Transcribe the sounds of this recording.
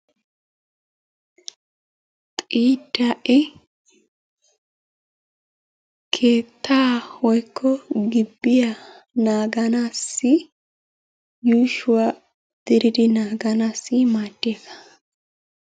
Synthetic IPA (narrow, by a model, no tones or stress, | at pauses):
t̪ʼiːd̪aʔɪ | kʰe̞ːt̪ʰːaːwɔjkʰːɔɡɪbːɪja | naːɡɐnaːsːɪ | juːʃʊwa | d̪̥ɪɾɪd̪ɪnaːɡɐnaːsːɪmaːd̪̥ːeːkɐ̥